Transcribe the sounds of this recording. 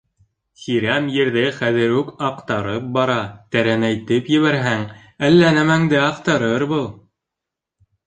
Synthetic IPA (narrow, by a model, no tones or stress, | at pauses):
χiɾæmjɘ̆ɾðɘχæðɘ̆ɾʉkɑqt̪ɑɾɤp̚bɑɾɑt̪æɾænæjt̪ɘpjɘ̆βæɾɦæŋ | ælːænæmæŋd̪ɘɑqt̪ɑɾɤɾbɤlˠ